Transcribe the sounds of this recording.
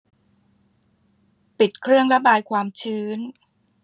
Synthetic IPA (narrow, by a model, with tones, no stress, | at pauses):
pi˨˩t̪̚kʰɾɯ˥˩əŋɾa˦˥baː˧jkʰwaː˧mt͡ɕʰɯː˦˥n